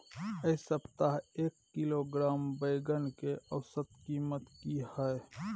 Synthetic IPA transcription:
əsəbt̪aɦeːkːiloɡɾaːmbəjɡənkeʔɐwsət̪kiːmət̪kihɛe

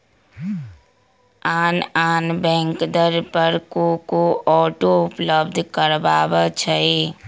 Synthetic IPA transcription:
aːnaːnbɛ̃ːŋkd̪əɾpəɾkokoɔːʈoʊpləbd̪ʱkəɾbaːbət͡ʃʰəi

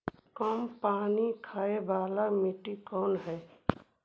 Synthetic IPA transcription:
kəmpaːnikʰaːebaːlamɪʈikɔːnɦɛː

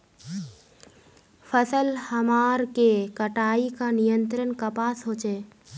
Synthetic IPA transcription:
fʰəsəlhəmaːɾkekəʈaːikanijə̃nt̪ɾənkəpaːsɦoːt͡ʃeː

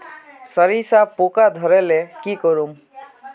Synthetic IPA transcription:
sʌɾisapokad̪ʱʌɾelekikɔɾum

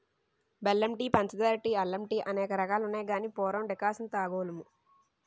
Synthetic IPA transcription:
belːɐmʈiːpɐnt͡ʃɐd̪aːɾʈiɐlːɐmʈiːʔɐnɛːkɐɾɐkaːlunaːjɡaːniːpɔːɾɐmɖɛkaːsɐnt̪aːɡoːlɐmu

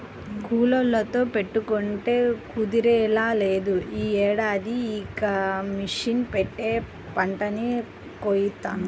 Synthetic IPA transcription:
kuːlɐlːɐt̪o̞ːpe̞ʈːukoɳʈe̞ːkud̪iɾɛːlaːle̞ːd̪uiːɛːɽaːd̪iːkɐmiʂinpeʈːe̞ː | pɐɳʈɐni | koːjit̪ːaːn

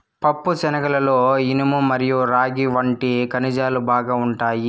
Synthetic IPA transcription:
pɐpːusɛnɐkɐlɐloːinimumːɐɾijuɾaːɡiʋɐɳʈikɐnid͡ʒaːlubaːɡaːuɳʈaːji

